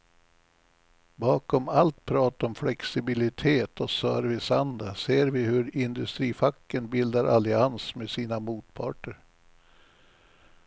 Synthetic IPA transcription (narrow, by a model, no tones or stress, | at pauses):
bɑːkɔmalt̪pʰɾɑːt̪aɔmflɛksɪbɪlɪt̪ʰeːt̪ʰɔsœːɾvɪsand̪aseːɾvɪhɵɾɪnd̪ɵst̪ɾiːfakːənbɪld̪aɾʔalɪansmesiːnamuːt̪̚pʰɑ̰ːʈəɾ